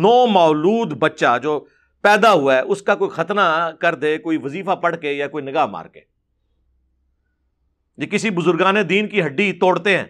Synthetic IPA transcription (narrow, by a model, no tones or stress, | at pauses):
nɔːmaːluːd̪bətːʃad͡ʒoː | pɛːd̪aɦʊaɛʔʊskakoːixʰət̪nakəɾd̪eːkoːiʋəziːfapəɽ̤keːjakoːinɪɡaːma̰ːɾkḛː | jeːkɪsibʊzʊɾɡaːned̪iːnkiɦɐɖːit̪oːɽt̪eɦɛ̰̃ː